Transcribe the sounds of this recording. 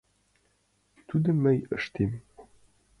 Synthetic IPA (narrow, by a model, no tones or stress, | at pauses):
t̪ʉd̪ɘ̆mɘjə̰̆ʃt̪em